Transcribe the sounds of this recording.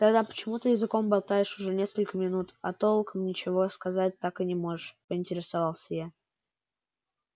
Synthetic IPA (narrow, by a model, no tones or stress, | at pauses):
t̪ɐɡd̪apə̥t͡ɕɪmut̪əjɪzɨko̞mbɐlˠt̪ajɪʂʊʐɛnʲe̞skəlʲkəmʲɪnut̪ɐt̪o̞lˠkəmnʲɪt͡ɕɪvo̞skɐzat̚ʲt̪akɨnʲɪmo̞ʐɨʂpəɪnʲtʲɪɾʲɪsɐvɑlˠsʲəja